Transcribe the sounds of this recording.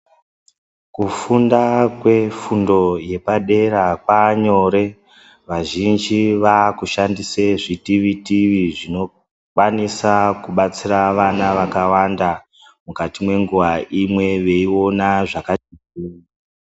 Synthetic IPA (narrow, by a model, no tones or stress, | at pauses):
kufundakwe̞fundo̞je̞paɗe̞ɾakwaɲo̞ɾe̞ | ʋaʒind͡ʒiʋakuʃandiseʐitiʋitiʋiʐino̞ | kwanisakuɓat͡siraʋanaʋakawanda | mukatimwe̞ŋɡuʋaʔimwe̞ʋe̞io̞naʐakatikiːa